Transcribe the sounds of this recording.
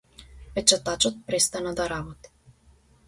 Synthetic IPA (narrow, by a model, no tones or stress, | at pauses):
pɛt͡ʃat̪at͡ʃɔt̪̚pɾɛst̪anad̪aɾabɔt̪i̥